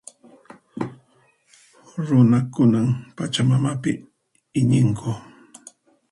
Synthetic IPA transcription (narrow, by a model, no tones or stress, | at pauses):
ɾʊnakʊnampat͡ʃamamapɪ̰ | ɪɲɪŋkʰʊ